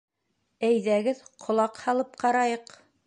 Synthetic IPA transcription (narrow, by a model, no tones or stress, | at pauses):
æjðæɡɘðqʰŏlˠɑqhɑlˠɤp̚qɑɾɑjɤq